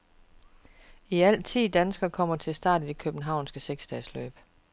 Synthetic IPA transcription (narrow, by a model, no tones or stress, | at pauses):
iæl̰t͡sʰḭːd̥ænsɡ̥ɐkʰɒ̽m̰ɐt͡sʰe̝lsd̥ɑ̰̈ːd̥id̥e̝kʰøb̥n̩ɦɑ̈ʊ̰nsɡ̥əseɡ̥sd̥ɛːslø̰ːb̥